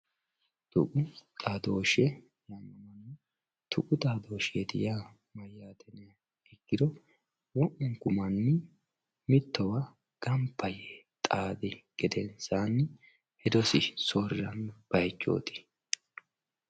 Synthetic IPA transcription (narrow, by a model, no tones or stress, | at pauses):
t̪ʊ̰kʼʊt̪ʼaːd̪o̞ːʃɛ | jɐmːɐmɐnːɛ | t̪ʰʊkʊt̪ʼaːd̪o̞ːʃeːd̪ɪja | mɐjːaːt̪ɛn | ɛkːɪd̪ɔ | wɔʔʊŋkʊmɐnːɛ | mɪt̪ːɔwa | ɡ̥ɐmpʰːɐjɛt̪ʼaːd̪ɪɡ̥ɛd̪ɛnsaːnː | hɛd̪ɔsɪsorːɐnb̥ɐjt͡ʃːo̰ːt̪ɪ̥